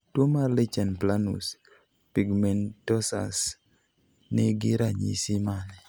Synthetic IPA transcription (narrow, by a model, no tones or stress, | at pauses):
twomarlet͡ʃɛnplanṵs | piɡmɛntɔsa̰s | nɪɡɪɾaɲḭsɪmanɛ